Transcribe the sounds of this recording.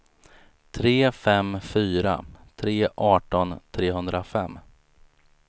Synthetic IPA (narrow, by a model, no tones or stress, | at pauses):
t̪ʰɾeːfɛmfyːɾa̰t̪ʰɾeːʔɑːʈɔnt̪ʰɾeːɦɵnd̪ɾafɛ̰mː